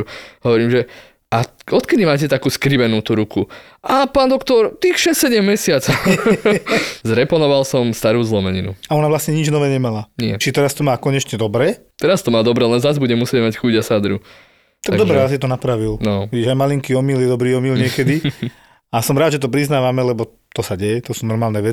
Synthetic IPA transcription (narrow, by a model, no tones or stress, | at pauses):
ɦɔʋɔɾiːmʒɛ | ʔaɔt̪kɛd̪imaːcɛt̪akuːskɾibɛnuːt̪uɾuku | ʔapaːnd̪ɔkt̪ɔɾt̪ixʃɛstsɛɟɛmːɛsɪat͡sɔ | zɾɛpɔnɔʋalsɔmst̪aɾuːzlɔmɛɲḭnṵaɔnaʋlasɲɛɲid͡ʒnɔʋɛːɲɛmalanɪɛ̰t͡ʃit̪ɛɾast̪ɔmaːkɔɲɛt͡ʃɲɛd̪ɔbɾɛː | t̪ɛɾast̪ɔmaːd̪ɔbɾɛːlɛnzazbuɟɛmusɪɛɟmacxuɟasad̪ɾṵ | t̪aɡ̪aɡd̪ɔbɾɛjas̬it̪ɔnapɾaʋilnɔʋiɟiʒajmaliŋkiɔmiljɛd̪ɔbɾiːɔmilɲɪɛkɛd̪i | asɔmɾaːd̪ʒɛt̪ɔpɾiznaːʋamɛlɛbɔ | t̪ɔsaɟɛjɛt̪ɔsuːnɔɾmaːlnɛʋɛt͡si̥